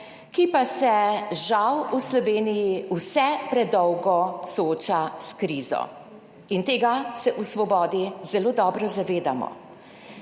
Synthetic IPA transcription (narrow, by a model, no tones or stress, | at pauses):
kipasɛʒawuslɔʋeːnijiusɛpɾɛd̪ɔwɡɔsɔoːt͡ʃaskɾiːzɔ̰ | int̪eːɡasɛʔusʋɔbɔːd̪izɛloːd̪ɔːbɾɔzaʋeːd̪amɔ̰